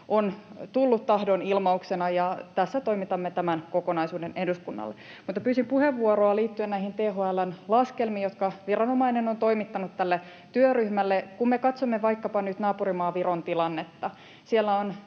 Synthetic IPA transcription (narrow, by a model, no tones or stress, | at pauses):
ʔont̪ulːut̪t̪ɑhdonilmɑuksenɑjɑt̪æsːæt̪o̞imit̪ɑmːet̪æmænkokonɑisuːdenehduskunːɑ̰lːe | mut̪ːɑpyːsimpuheʋːuoɾoɑliːt̪ːyennæihint̪eːɦoælænlɑskelmiːjot̪kɑʋirɑnomɑinenont̪o̞imit̪ːɑnut̪t̪ːælːe | t̪yøryhmælːekumːekɑt̪somːeʋɑikːɑpɑnyt̪nɑːpurimɑːʋiront̪ilɑnːet̪ːɑ | sielːæon